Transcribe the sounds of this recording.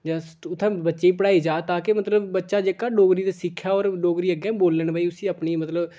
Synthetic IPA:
d͡ʒəsʈʊt̪ʰːãːbətːʃeiːpəɽaːiːd͡ʒaːt̪aːkɪmət̪ləbbətːʃaːd͡ʒekaːɖoːɡɾiːd̪eːsɪkʰːjaːoːɾɖoːɡɾiːəɡɛ̃ːboːlːəɳbaːiːʊsĩːəpniːmət̪ləb

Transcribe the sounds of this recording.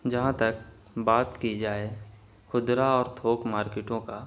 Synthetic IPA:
d͡ʒɐɦãt̪ɐk̚ | baːt̪kid͡ʒaːe | kʰʊd̪ɾaɔːɾt̪ʰoːkmaːɾkɪʈõka

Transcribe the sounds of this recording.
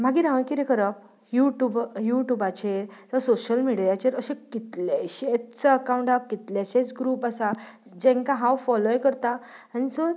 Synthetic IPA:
m̤aɡiɾãʋə̃ɳkiɾekəɾəp̚ | juʈubjuʈjubat͡ɕeɾt̪asoɕəlmiɽijat͡ɕeɾəɕẽkit̪leɕet̪t͡səəkaw̃ɳʈakit̪lɛɕet͡sɡɾuːpasa | d͡ʑɛ̃ŋkãɦãwfɔlojkəɾt̪aanisə

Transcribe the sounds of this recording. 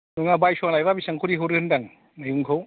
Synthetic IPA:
nuŋabajsɔŋlajbabisaŋkʰuɾiɦuwɾɯhɯndaŋ | majuŋkʰaw

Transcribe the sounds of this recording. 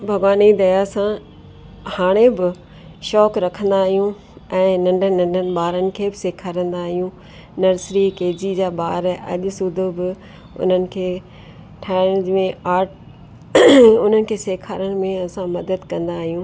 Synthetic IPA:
bʱɐɡʋaːnid̪ɐjasã | haːɽ̃ẽbɪ | ʃɔːkɾɐkʰə̃nd̪aːɦijũ | ɛ̃ːnɐ̃ɳɖʱənɐ̃ɳɖʱənɪ̆ɓaːɾənɪ̆kʰeːbɪseːkʰaːɾə̃nd̪aːɦijũ | nɐɾsɾikeːd͡ʑid͡ʑaːɓaːɾɐ̰ʄʊsʊd̪ʱobɪ | ʊ̰n̤ənɪ̆kʰeː | ʈʰaːɪd͡ʑmẽaːʈ | ʊn̤ənɪ̆kʰeːseːkʰaːɾəɽɪ̆mẽɐsãmɐd̪əd̪kɐ̃nd̪aːɦijũː

